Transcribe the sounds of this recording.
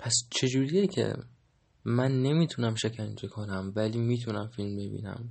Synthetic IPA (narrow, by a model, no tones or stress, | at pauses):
pʰæst͡ʃʰe̞d͡ʒuːɾijecʰe̞̰ | mænːe̞miːt̪ʰunæmʃecʰænd͡ʒe̞kʰonæmvæliːmiːt̪ʰunæmfilmbe̞bḭːnæ̰m